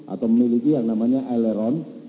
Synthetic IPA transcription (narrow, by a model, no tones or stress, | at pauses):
ʔa̰t̪awməmilikijaŋnamaɲaʔɛleɾɔn